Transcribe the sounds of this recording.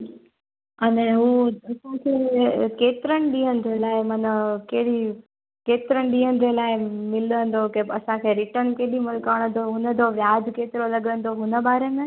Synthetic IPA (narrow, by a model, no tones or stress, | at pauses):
ɐnɛ̃ɦuːɐsãkʰekeːt̪ɪɾəɽ̃ɪɗĩɦən̆d͡ʑelaːɪmɐnəkeɦɪɽi | keːt̪ɪɾəɽ̃ɪɗĩːɦənɪ̆d͡ʑelaːɪmɪlə̃nd̪okebɐsãkʰeːɾɪʈənkeːɗimʊlkaːɽ̃ə̃nd̪oɦʊnə̆d͡ʑoʋjaːd͡ʑkeːt̪ɪɾolɐɠə̃nd̪oɦʊnə̆baːɾemẽː